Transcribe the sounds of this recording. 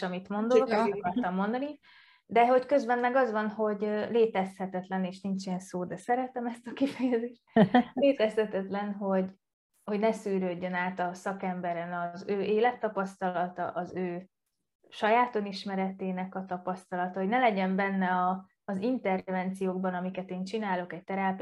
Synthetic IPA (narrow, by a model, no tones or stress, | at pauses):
ɒmit̪mo̞nd̪oloɛkɒrt̪ɒmːo̞nd̪ɒni | d̪ɛɦo̞ckø̞zbɛnmɛɡɒzʋɒnɦo̞ɟøleːt̪ɛshɛt̪ɛt̪lɛneːʃnint͡ʃijɛnsoːd̪ɛsɛɾɛt̪ɛmɛst̪ɒkifɛjɛzeːʃt̪̚leːt̪ɛshɛt̪ɛt̪lɛnɦo̞ɟ | ho̞ɟnɛsyːɾøɟːønaːt̪ɒsɒkɛmbɛɾɛnɒzøːʔeːlɛt̪ːɒpɒst̪ɒllɒt̪ɒ̰ʔɒzøː | ʃɒjaːt̪oniʃmɛɾɛt̪eːnɛkɒt̪ɒpɒst̪ɒlɒt̪ɒɦo̞ɟnɛlɛɟɛmbɛnːɛɒː | zint̪ɛrvɛnt̪sijoːɡ̚bɒnɒmikɛt̪eːnt͡ʃinaːlo̞kɛc̚t̪ɛɾaːp